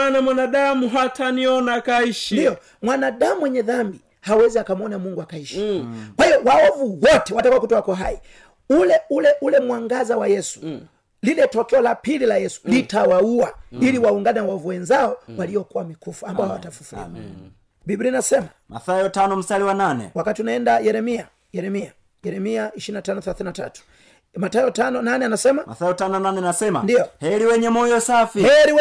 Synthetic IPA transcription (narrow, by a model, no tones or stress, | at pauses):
namwanaɗamuɦataniɔnakaiʃindijɔ | mwanaɗamuwɛɲɛðambi | hawɛziakamɔnamuŋɡuakaiʃi̥kwaiɔwaɔvuwɔtɛwatakuwakutɔwakɔɦai | ulɛulɛʔulɛmwaŋɡazawajɛsu̥ | lilɛtɔkɛɔlapililajɛsu̥litawauailiwauŋɡananwavuwɛnzaɔwaliɔkuwamikufuambaɔwatafufulḭa | bibɾinasɛma | ma̰θajɔtanɔm̩saliwananɛ̰wakatiunaɛndajɛɾɛmia | jɛɾɛmia | jɛɾɛmiaiʃiɾinatanɔθɛlaθininata̰tu̥ | matajɔtanɔnanɛanasɛmama̰θajɔtanɔnanɛnasɛma̰ndijɔhɛɾiwɛɲɛmɔjɔsafihɛɾiw